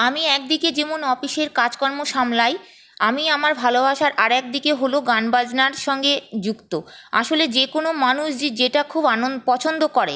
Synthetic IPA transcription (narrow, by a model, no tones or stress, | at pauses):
amiɛk̚d̪iked͡ʑemonɔfiʃeɾkad͡ʑkɔɾmoʃamlaj | amiamaɾbʱalobaʃaɾʔaɾɛk̚d̪ikeɦoloɡanbad͡ʑnaɾʃɔŋɡed͡ʑukt̪oa̰ʃoled͡ʑekonomanuʃd͡ʑed͡ʑeʈakʰubaopɔt͡ɕʰond̪okɔɾḛ